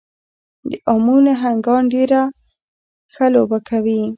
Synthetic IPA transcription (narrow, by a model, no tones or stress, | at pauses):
d̪əʔamuneɦaŋɡɑɳɖeɾa | xalobakʰawi